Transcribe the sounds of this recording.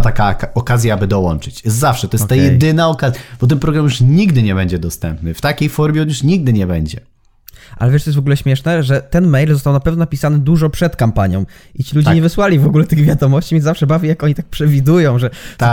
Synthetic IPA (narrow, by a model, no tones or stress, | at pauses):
t̪akaɔkazʲjaabɘd̪ɔwɔnt͡ʂɘt͡ɕɛszafʂɛt̪ɔjɛst̪ːajjɛd̪ɘnaɔkazjab̥ɔt̪ɛnpɾɔɡɾamjuʂɲiɡd̪ɘɲɛbɛɲd͡ʑɛd̪ɔst̪ɛmpnɘft̪akʲejfɔɾmʲjɛɔnjuʂɲiɡ̚d̪ɘɲɛbɛɲd͡ʑɛ̰ | ʔa̰lɛvʲɛʂt̪ɔjɛsvɔɡulɛɕmʲjɛʂnɛʐɛt̪ɛnmɛjlzɔst̪awnapɛvnɔnapʲisanɘd̪uʐɔpʂɛt̪kampaɲjɔ̃w̃it͡ɕilud͡ʑɲɛvɘswalʲivɔɡulɛt̪ɘɣvʲjad̪ɔmɔɕt͡ɕimʲiɛzafʂɛbavʲjɛjakɔɲit̪ak̚pʂɛvʲid̪ujɔ̃w̃ʐɛt̪